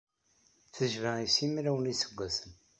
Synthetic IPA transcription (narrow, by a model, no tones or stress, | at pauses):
θəʒvæisimɾæwənisə̥ɡʷːæsən